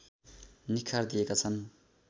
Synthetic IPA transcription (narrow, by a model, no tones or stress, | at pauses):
nikʰːard̪ijekat͡sʰʌn